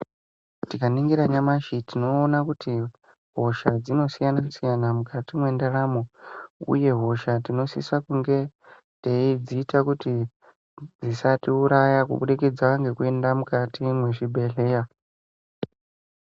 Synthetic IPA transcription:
tikaniŋɡiɾaɲamaʃitino̞ːnakuti | ɦo̞ʃad͡zino̞sijanasijanamukatimwe̞ndaramoṵje̞ɦo̞ʃatino̞sḭsakuŋɡe̞ | teid͡ziːtakuti | d͡zisatiuɾajakṵɓuɗiked͡zaŋɡe̞kue̞ndamukatimwe̞ʐibʱe̞ɮe̞ːja

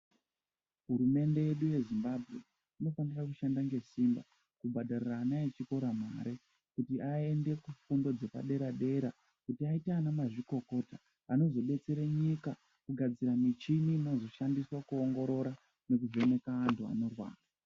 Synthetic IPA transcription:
ɦuɾume̞nde̞jeɗuje̞zimbabʱɣe̞̰ | ino̞fanirakuʃandaŋɡe̞simba | kubʱadʱariraːnaet͡ʃiko̞ɾamaːɾe | kutiʔae̞nde̞kufundo̞d͡ze̞pa̰ɗe̞ɾaɗe̞ɾa | kutiaitaːnamaʐiko̞ko̞ːta | ano̞zo̞ɓe̞t͡se̞ɾeɲika | kuɡʱad͡ziɾamit͡ʃininozo̞ʃandiswakuoŋɡo̞ɾo̞ɾa | ne̞k̬uve̞ne̞kaːntʰua̰no̞rwa̰ːra

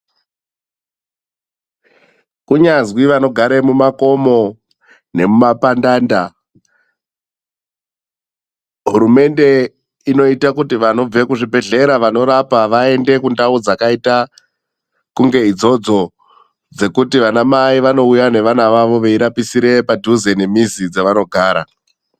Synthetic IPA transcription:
kuɲanzwiʋano̞ɡʱaɾemumako̞mo̞ | ne̞mumapandaːnda | ɦuɾume̞nde̞ | ino̞itakutiʋano̞b͡vekuʐibʱe̞ɮe̞ɾaʋano̞ɾapaʋae̞nde̞kundaud͡zakaita | kuŋɡe̞id͡zo̞d͡zo̞ | d͡ze̞kutiʋanamaiʋano̞ujane̞ʋanaʋaʋo̞ʋe̞iɾapisiɾe̞padʱuzenemizid͡zaʋano̞ɡʱaːɾa

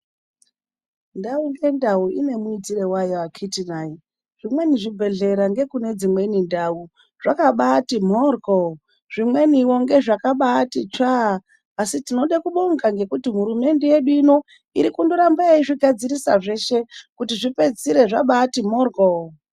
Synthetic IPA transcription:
ndauŋɡe̞ndauine̞muitiɾe̞wajawakʰitinaji | ʐ̥imwe̞niʐibʱe̞ɮe̞ɾaŋɡe̞kune̞d͡zimwe̞nindau | ʐ̥akaɓatim̤orɡo | ʐ̥imwe̞niwo̞ŋɡe̞ʐakaɓatit͡ʃaː | sitino̞ɗakuɓoŋɡaŋɡe̞kutim̤uɾume̞nde̞je̞ɗuino̞ | iɾikundoɾambaiʐiɡʱad͡ziɾisa̰ʐe̞ʃe̞kutiʐipe̞d͡ziɾe̞ʐa̰ɓatimorɡo

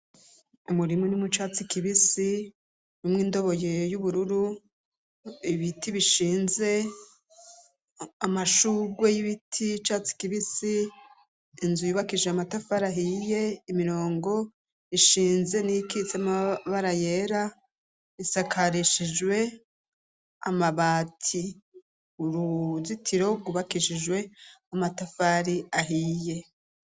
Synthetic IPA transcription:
umuɾimunimut͡ʃaːt͡sikiβisi | numŋiːndo̞βo̞jejuβuɾuɾu | iβitiβiʃiːnze̞ | amaʃuɡwe̞jiβitʰit͡ʃaːt͡si̥kiβisiː | nzujuβakiʒeamatafaɾaɦije̞imiɾo̞ːŋɡo̞ | iʃiːnze̞niikit͡semaβaɾaje̞ɾa | isakʰaɾiʃid͡ʒwe̞ | a̰maβaːtʰi | uɾuzitʰiɾo̞ɡuβakiʃiʒwe̞amatafaɾiaɦiːje̞

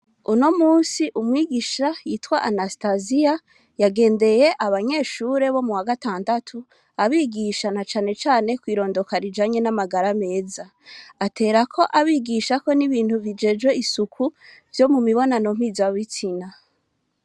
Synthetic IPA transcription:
uno̞muːsiʔumŋiːɡiʃajiːtwaʔanastazija | jaɡe̞ːnde̞je̞ʔaβaɲe̞ːʃuːɾe̞βo̞muwaɡataːndatʰu | aβiːɡiʃanat͡ʃaːne̞t͡ʃaːne̞kwiːɾo̞ːndo̞kaɾid͡ʒaɲe̞namaɡaɾame̞ːzaː | tʰe̞ːɾakʰo̞ʔaβiːɡiʃako̞niβiːnthuvid͡ʒe̞d͡ʒɡwe̞isukʰu | v̥jo̞mumiβo̞nano̞m̥izaβit͡sina

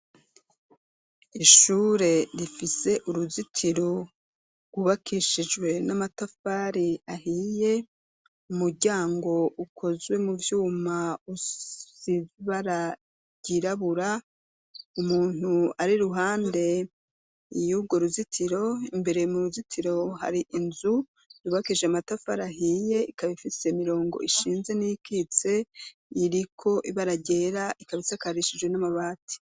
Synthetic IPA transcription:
iʃuːɾe̞ɾifise̞ʔuɾuzitʰiɾo̞ | ɡ̥wuβakʰiʃid͡ʒɡwe̞namatafaːɾiahiːje̞ | umuɾɟaːŋɡo̞ukʰo̞zwe̞muvjuːmau | iziβaɾa | ɟ̥iɾaβuɾa | umuːn̥uaɾiɾuɦaːnde̞ | juɡo̞ɾuzitʰiɾo̞imbe̞ɾe̞muɾuzitʰiɾo̞ɦa̰ɾiʔinzu | ɾuβakiʒeamatafaɾaɦije̞ikaβifise̞miɾo̞ːŋɡo̰ʔiʃiːnze̞nijkit͡se̞ | iɾikʰo̞ʔiβaɾaɟe̞ɾaʔikaβisakaɾiʃid͡ʒwe̞namaβaːtʰi̥

